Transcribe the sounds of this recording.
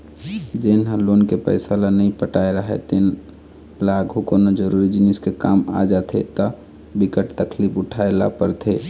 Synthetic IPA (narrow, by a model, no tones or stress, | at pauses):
d͡ʒenɦə̃loːnkepə̰ɪsalanəɦĩpəʈaːeɾəɦɛ̰t̪en | laːɡʱukoːnod͡ʒəɾuːɾid͡ʒɪnɪskekaːma̰d͡ʒaːt̪ʰḛt̪ə | bɪkəʈt̪əkʰliːpʊʈʰaela̰pəɾt̪ʰeː